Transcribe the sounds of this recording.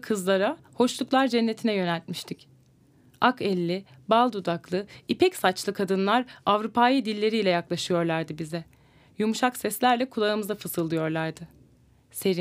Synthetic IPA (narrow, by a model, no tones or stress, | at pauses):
kʰɯzlˠaɾa | ho̞ʃlˠuklˠaɾd͡ʒɛnːe̞t̪ʰinɛjø̞nælʲt̪miʃt̪ʰic | akɛlʲːi | balˠd̪ud̪aklˠɯipʰɛcsat͡ʃlˠɯkʰad̪ɯnlˠaɾavɾupʰaːjɯd̪ilʲːe̞ɾijlʲɛjaklˠaʃɯjo̞ɾlˠaɾd̪ɯbizɛ | jumuʃaksɛslʲæɾlʲɛkʰulˠaɯmɯzafɯsɯlˠːɯjo̞ɾlˠaɾd̪ɯ | se̞ɾi